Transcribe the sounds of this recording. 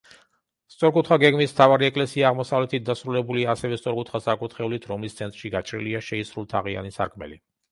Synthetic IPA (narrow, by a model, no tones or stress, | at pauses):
st̪sʼɔɾkʼut̪ʰχaɡɛɡmismt̪ʰavaɾiɛkʼlɛsiaːʁmɔsavlɛt̪ʰit̪̚d̪asɾulɛbuliaːsɛvɛst̪sʼɔɾkʼut̪ʰχasakʼut̪ʰχɛulit̪ʰɾɔmlist̪sʰɛnt̪ʼɾʃiɡat͡ʃʰʼɾḭliaʃɛisɾulˠt̪ʰaʁia̰nisa̰ɾkʰmɛ̰li